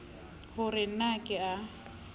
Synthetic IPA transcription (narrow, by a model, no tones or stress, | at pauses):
hʊrɪnakʼɪa